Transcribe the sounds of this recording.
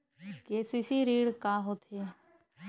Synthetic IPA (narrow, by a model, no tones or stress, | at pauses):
keːsisiːɾiːɽkaːɦoːt̪ʰe